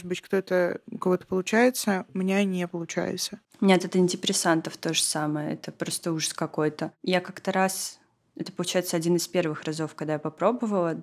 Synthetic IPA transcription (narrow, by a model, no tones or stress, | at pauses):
moʐɨt̪̚bɨtʲkt̪ot̪əkɐvot̪ə̥pəlˠʊt͡ɕæjɪt̪səmnʲanʲepəlˠʊt͡ɕæ̰jɪ̰t̪sə | nʲeɐt̪ɛt̪ɪnʲtʲɪpɾʲɪsant̪əft̪o̞ʐəsaməjəɛ̰t̪əpɾo̞st̪əuʐəskɐko̞jt̪əjakakt̪əɾas | ɛt̪ə̥pəlˠʊt͡ɕæjɪt̪səɐdʲinɨspʲe̞rvɨxrɐzo̞fkɐɡ̚d̪ajapɐpɾo̞bəvəlˠə